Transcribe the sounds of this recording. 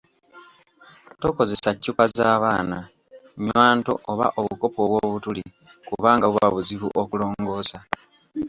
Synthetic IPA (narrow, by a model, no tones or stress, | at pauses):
to̞ːko̞ze̞sacːukazaːβaːna | ɲwaːnto̞̰ʔoβa̰ʔo̞βuko̞po̞βwoːβutuli | kuβaːŋɡaβuβaβuziβuʔokulo̞ːŋɡo̞ːsa